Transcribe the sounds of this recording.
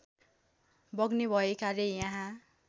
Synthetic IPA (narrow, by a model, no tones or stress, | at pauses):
bʌɡnebʱʌekalejãɦã